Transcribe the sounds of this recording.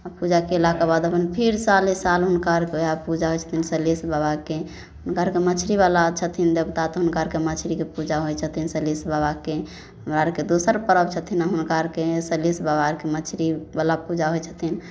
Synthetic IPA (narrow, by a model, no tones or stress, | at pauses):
apud͡ʒakelakabad̪əpənpʰiɾsalisalɦunkaɾkeapud͡ʒaɦot͡ʃʰə̥t̪ʰinsəlisbabake | ɦʊnkaɾkemət͡ʃʰɾiβalat͡ʃʰət̪ʰind͡ʒəbt̪at̪ɔɦunkaɾkemət͡ʃʰɾikepud͡ʒaɦojt͡ʃʰət̪ʰinsəlisbabake | mɾaɾked̪osəɾpəɾəbt͡ʃʰət̪ʰinaɦunkaɾkesəlisbabaɾkemət͡ʃʰɾibalapud͡ʒaɦojt͡ʃʰə̥t̪ʰin